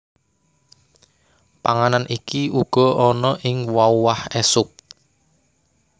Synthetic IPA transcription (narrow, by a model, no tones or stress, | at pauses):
paŋananʔikiuɡ̥ɔ̤ʔɔnɔʔɪŋwauwahɛsʊk̚